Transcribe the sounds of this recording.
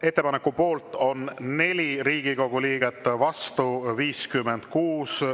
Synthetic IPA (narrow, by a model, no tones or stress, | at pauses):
e̞t̪ːe̞pɑnekːˑupo̞ːlt̪ːˑo̞nne̞lʲiriːɡ̥iko̞ɡ̥uliːɡ̥et̪ːˑvɑst̪uviːskymːe̞nd̪̥kuːs